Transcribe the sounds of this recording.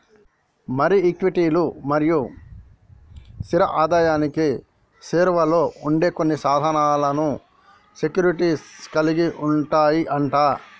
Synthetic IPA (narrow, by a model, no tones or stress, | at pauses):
mɐɾiːkʋiʈiːlumɐɾiju | siɾɐʔaːd̪aːjaːniki | seːɾʋɐlo̞ːuɳɖe̞ːko̞nːisaːd̪ʱɐnaːlɐnu | sekjuːɾiʈiskɐliɡiuɳʈaːjiʔɐɳʈaː